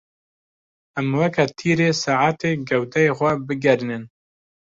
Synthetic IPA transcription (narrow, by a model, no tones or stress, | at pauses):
æmwɐkʰat̪ʰiːɾeːsaːʕaːt̪eːɡɛwt̪ʰɛjexʷɛbɨɡɛɾnɨn